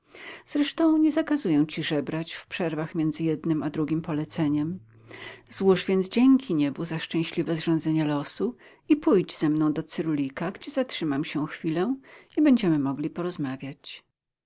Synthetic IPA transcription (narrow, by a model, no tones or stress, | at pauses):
z̥ɾɛʂt̪ɔ̃w̃ɲɛzakazujɛw̃t͡ɕiʐɛbɾat͡ɕfpʂɛɾvaxmʲjɛnd̪zɘjɛd̪nɘmad̪ɾuɡʲimpɔlɛt̪sɛɲɛm | z̥wuʐvʲjɛnd͡ʑɛŋkʲʰiɲɛbuzaʂt͡ʂɛ̃w̃ɕlʲivɛzʐɔ̃nd̪zɛɲɛlɔsu | ipujd͡ʑz̥ɛmnɔ̃w̃d̪ɔt̪sɘɾulʲikaɡd͡ʑɛzatʂɘmamɕɛxfʲilɛibɛɲd͡ʑɛmɘmɔɡlʲipɔɾɔzmavʲjat͡ɕ